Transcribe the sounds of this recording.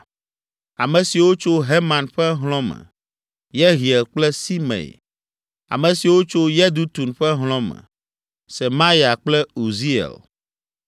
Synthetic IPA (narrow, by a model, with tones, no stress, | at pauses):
a˨mɛ̃˨si˨wo˦t͡ʃo˦ɦe˦mã˨nɸɛ˦ɦlɔ̃˦mɛ̰̃˨ | jɛ˦ɦi˨ɛ˨lk͡plɛ˦si˦mḛ˨ | a̰˨mɛ̃˨si˨wo˦t͡ʃo˦jɛ˦d̪u˦t̪u˨nɸɛ˦ɦl̃ɔ̃˦mɛ̰̃˨ | sɛ˨mã˦ja˨k͡plɛ˦u˨zi˦ɛ̰˨l